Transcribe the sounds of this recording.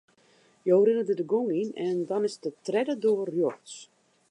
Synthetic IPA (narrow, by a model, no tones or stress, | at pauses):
jowrɪnədədəɡoŋinɛndɔnɪsdətrɛdədoərjorts